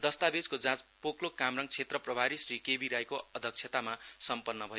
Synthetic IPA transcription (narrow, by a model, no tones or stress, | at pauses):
d̪ʌst̪abed͡zkod͡zãt͡spoklokamrʌŋɡ̚t͡sʰet̪rʌprʌbʱaɾisrikebiɾajkoʌd̪ʱʌk̚t͡sʰjet̪amasʌmpʌnːʌbʱʌjo